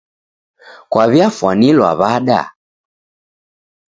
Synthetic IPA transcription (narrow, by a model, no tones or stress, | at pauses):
kwaβjafwanilwa̰βaɗa̰